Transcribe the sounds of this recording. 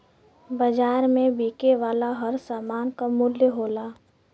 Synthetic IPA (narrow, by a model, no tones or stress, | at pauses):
bəd͡ʒaːɾmẽbiːkeʋaːlaɦəɾsaːmaːnkamʊljəɦoːlaː